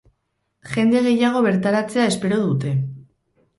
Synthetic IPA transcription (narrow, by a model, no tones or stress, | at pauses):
ʝe̞nd̪eɣ̞e̞jaɣ̞o̞βe̞ɾt̪aɾat͡se̞aespe̞ɾo̞ðut̪e̞